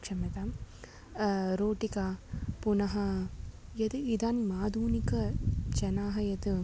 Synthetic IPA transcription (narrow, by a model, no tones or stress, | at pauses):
kʂɐmɐt̪am | ɾoːʈikaːpunɐɦɐ | jɐd̪ɨid̪aːnimaːd̪uːnikɐt͡ʃɐnaːɦɐjɐt̪ɨ